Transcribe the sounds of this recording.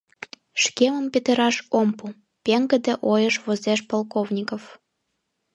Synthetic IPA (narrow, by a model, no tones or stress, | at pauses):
ʃkemə̆mpʲet̪ə̆ɾɑʃompu | pʲeŋɡə̆d̪ĕʔojəʃvozeʃpolˠkovnʲikof